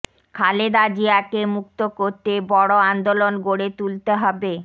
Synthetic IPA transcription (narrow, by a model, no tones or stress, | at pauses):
kʰaled̪ad͡ʑiakemuk̚t̪okoɾt̪ebɔɽoand̪olonɡoɽet̪ult̪eɦɔbe